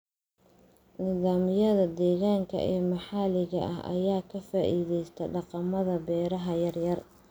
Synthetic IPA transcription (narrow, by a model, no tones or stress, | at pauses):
nɪðaːmɪjɐðɐd̪ɛːɣaːŋkʰɐ̰ʔɛːmɐħɑlɪɣɐ̰ʔɐɦʔɐ̰jaːkʰɐfaːʔiːðɛjst̪ʰɐɖɑqɑmɐðɐbɛːɾɐɦɐjɐrjɐr